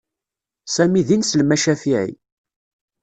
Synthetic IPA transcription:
sæmiðinsəlmæʃæfiʕḭ

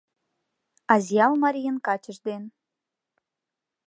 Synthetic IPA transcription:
ɑzjɑlmɑɾʲijənkɑt͡ɕəʒd̪en

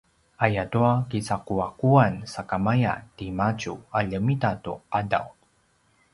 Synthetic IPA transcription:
ajatuakisakuakuansakamaja̰timat͡ɕṵaʎəmitatuada̰w

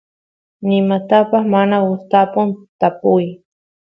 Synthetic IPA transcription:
nɪmat̪apaχmanaʊst̪apʊnt̪apʊj

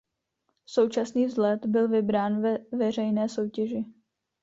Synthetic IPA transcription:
so̞wt͡ʃasniːvzlɛt̪bɪlvɪbɾaːnvɛvɛr̝ɛjnɛːso̞wcɛʒɪ

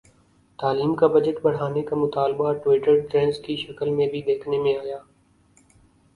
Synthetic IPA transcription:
t̪aːliːmkabɐd͡ʒəʈbɐɽ̤aːnekamʊt̪aːlbaʈwɪːʈəɾʈɾɛ̃ːnskiʃɐkəlmẽbʱid̪eːkʰnemẽaːjaː

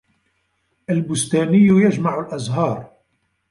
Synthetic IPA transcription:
ʔalbʊst̪æːnɪjːʊjaʒmaʕʊlʔɑzɦɑːɾˤ

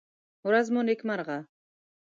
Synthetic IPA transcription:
uɾazmonekʲmaɾʁɑ

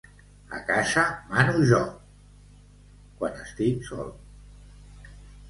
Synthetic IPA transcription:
a̰kaʃamanuʒɔ | kwanəst̪iksɔ̰l

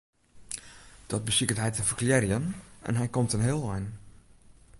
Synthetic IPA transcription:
d̥ɔt̚bəsikətɦɛjtəfərkljɛrjənɛ̰nɦɛjkomtənɦɪːlˠɛjn

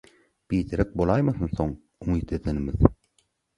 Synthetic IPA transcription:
b̥iːt̪ʰeɾek̚bolˠɑjmɑθɯnθo̞ŋ | uŋiːt̪e̞d̪enimið

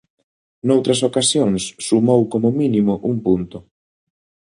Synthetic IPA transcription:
nowt̪ɾɐs̬okasjoŋsːumowkomʊminimʊʔuŋpunt̪ʊ

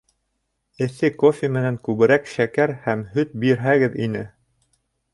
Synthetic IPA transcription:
ɘ̆θɘkofʲɪmɘ̆næŋkʉβɘ̆ɾækʃækæɾhæmhɵt̪̚biɾɦæɡɘðinɘ

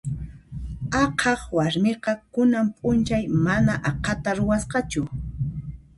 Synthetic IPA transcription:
ɑqʰɑχwaɾmeqɑkʊnampʼʊnt͡ʃajmanaʔɑqʰɑt̪aɾʊwasqɑt͡ʃʊ

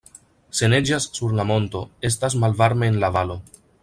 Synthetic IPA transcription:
se̞ne̞d͡ʒasːuɾlamo̞ntoe̞s̬tasmalvaɾme̞ːnlavalo̞

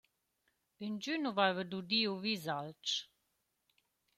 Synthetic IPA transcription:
ind͡ʒynuvajvəd̪ud̪iuvizalt͡ʃ

